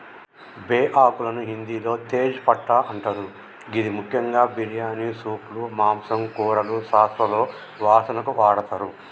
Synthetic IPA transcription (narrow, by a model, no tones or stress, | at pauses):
beːʔaːkulɐnuɦind̪iːlo̞ːt̪eːd͡ʒpɐʈːaːʔɐɳʈɐɾu | ɡid̪imukʰjɐŋɡaːbiɾjaːnisuːplumaːmsɐmkuːɾɐluʃaːst̪ɾɐlo̞ː | ʋaːsɐnɐkuʋaːɽɐt̪ɐɾu